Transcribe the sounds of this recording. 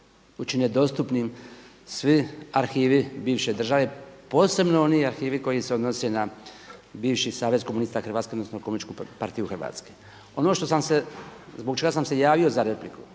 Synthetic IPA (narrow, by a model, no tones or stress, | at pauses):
ut͡ʃined̪o̞st̪upnim | sʋiaɾxiːʋibiːʋʃe̞d̪r̩ʒaʋepo̞ːse̞bnoo̞niaɾxiːʋiko̞jiseo̞d̪nosena | biːʋʃisaːʋe̞zkomunist̪axr̩ʋaːt̪keod̪nosnokomunit͡ʃkupaɾt̪ijuxr̩ʋa̰ːt̪ske̥ | o̞noʃt̪osamsezboɡ̚t͡ʃe̞ɡasamse̞jaːʋio̞zaɾe̞pliku̥